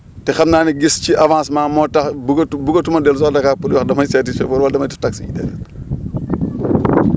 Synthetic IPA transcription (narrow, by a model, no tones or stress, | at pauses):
tɛxɐmnaːniɡisciʔɐvãːsmaːmɔtɐxbuɡɐbuɡɐtumɐdɛls̬ɔdɐkaːk̚puliwɐxdɐmɐjsɛtisfɛfɔɾwɐldɐmɐjtutɐksiḭdɛ̰lɛ̰t̚